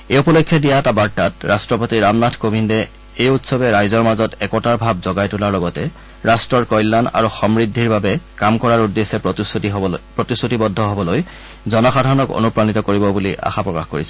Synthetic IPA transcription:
ejupɔlokʰːjɔdijaɛtabaɹtatɹastɹɔpotiɹamnatʰkobʱindɛ | ejutsɔbɛɹajzɔɹmazɔtɛkɔtaɹbʱab̚zɔɡajtʊlaɹlɔɡɔtɛ | ɹastɹɔɹkɔjlːana̰ɹuxɔmɹidʱːiɹbabɛkamkɔɹaɹudːesɛ | pɹotisutibɔdʱːɔɦɔbɔloj | zɔnɔxadʱaɹɔnɔko̰nupɹanitɔkoɹibɔbuliʔa̰xapɹɔkaxkoɹisɛ

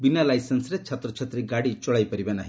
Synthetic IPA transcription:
binalajsensɾet͡ʃʰat̪ɾɔt͡ʃʰat̪ɾiɡaɽit͡ʃɔɭajpɔɾibanaɦĩ

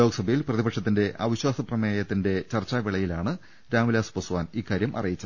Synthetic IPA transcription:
o̞ːɡɐsɐbʱɐjilprɐðibɐkʂɐt̪ːinde̞ʔɐ̰ʋiɕwaːsɐprɐmeːjɐt̪ːinde̞t͡ɕɐrt͡ɕːaːʋiɭɐjilaːɳɨ | ɾaːmulaːspɐsuʋaːniːkːaːɾjɐmʔɐ̰rijit͡ɕːɐɨ

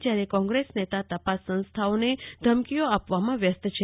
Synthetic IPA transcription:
d͡ʒjaɾekɔ̃ŋɡɾesnet̪at̪əpasːə̃nst̪ʰaoned̪ʱəmkijoapʋamãʋjəst̪t͡ʃʰe

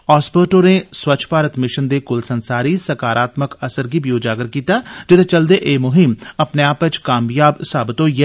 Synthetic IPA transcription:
ɔːspəːʈoneswɐt͡ʃʰpaːɾət̪mɪʃənd̪ekʊlsɐ̃nsaːɾisɐkaːɾaːt̪məkɐsəɾkibʱijoːd͡ʒaːɡəɾkiːt̪ad͡ʒɪt̪t͡ʃɐld̪eʔeːmʊɦɪmɐpneaːpət͡ʃkaːmjaːbsaːbɪt̪oːjeː

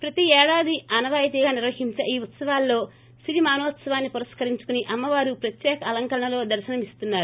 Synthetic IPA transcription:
pɾɐt̪iɛːɽaːd̪iɐnɐʋaːjɐt̪̬iɡaːniɾʋɐɦiɲt͡ʃɐʔiːut̪sɐʋaːlːo̞ː | siɾimaːnɔːʋɐt̪sɐʋaːnːipuɾɐskɐɾiɲt͡ʃu̥kuniʔɐmːɐʋaːɾupɾɐt̪jɛːkɐːlɐŋkɐɾɐɳɐlo̞ːd̪ɐɾʃɐnɐmist̪unːaːɾu

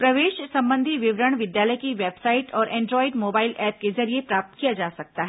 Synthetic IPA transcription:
pɾɐʋeːʃsɐ̃mbə̃nd̪ʱiʋɪʋɾəɽ̃ʋɪd̪jaːləjkiʋeːbsaːɪʈɔːɾʔɛ̃ːɳɖɾɔːɪɖmoːbaːɪlɛːp̚kezɐɾiepɾaːp̚t̪kijad͡ʒaːsɐk̚t̪aɦɛ

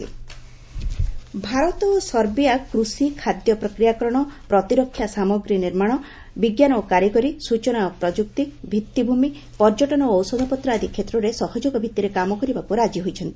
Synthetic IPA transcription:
i | bʱaɾɔt̪ɔsɔɾbijakɾusikʰad̪jɔpɾɔkɾijakɔɾɔɽ̃ɔpɾɔt̪iɾɔkʰːjasamɔɡɾiniɾmaɽ̃ɔ | biɡjanɔokaɾjikɔɾisut͡ʃɔnaopɾɔd͡ʒuk̚t̪ibʱit̪ːibʱumi | pɔɾd͡ʒɔʈɔnɔːwsɔd̪ʱɔpɔt̪ɾaːd̪ʱikʰet̪ɾɔɾesɔhɔd͡ʒoɡɔbʱit̪ːiɾekamɔkɔɾibakuɾad͡ʒiɦojt͡ʃʰɔnt̪i̥

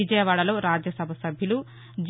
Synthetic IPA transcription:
id͡ʒɐjɐʋaːɽɐlo̞ːɾaːd͡ʒjɐsɐbʱɐsɐbʱjilu | d͡ʒ

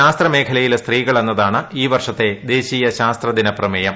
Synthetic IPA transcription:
aːst̪rɐme̞ːkʰɐlɐjilst̪riːɣɐɭe̞nːɐðaːɳɨiːʋɐrʂɐt̪ːe̞d̪e̞ːɕijɐɕaːst̪rɐd̪inɐprɐmɐjɐm

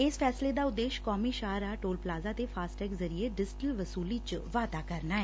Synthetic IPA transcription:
esfʰɛːsled̪aːʊd̪ːeːʃkɔːmiːʃaːɾaːʈoːlplaːzat̪efʰaːsʈɛːkzəɾieɖɪsʈilʋɐsuːlit͡ʃʋaːt̪aːkəɾnaːɦɛː

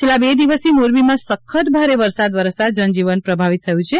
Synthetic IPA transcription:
t͡ʃʰelːãbed̪iʋəsimoɾbimãsəkʰːət̪̚bʱaɾeʋəɾsad̪ʋəɾsad̪̚d͡ʒənd͡ʒiʋənpɾəbʱaʋit̪ʰːəjũt͡ʃʰe

